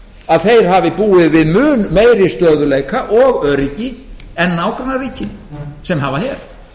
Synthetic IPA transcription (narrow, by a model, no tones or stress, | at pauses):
aðθejɾ̥ɦavɪpuːɪðvɪðmʏːnmeːjɾɪst̪œːðʏleːjkaʔɔɣœɾicɪɛnːawkɾanariːcɪsɛmɦavaçɛɾ̥